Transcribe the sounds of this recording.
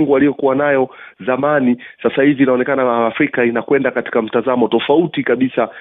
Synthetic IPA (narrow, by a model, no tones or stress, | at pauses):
ŋɡualijɔkuwanajɔzamanisasahiviːnaɔnɛkanaːfɾikainakwɛndakati̥kam̩tazamɔtɔfautikaɓisa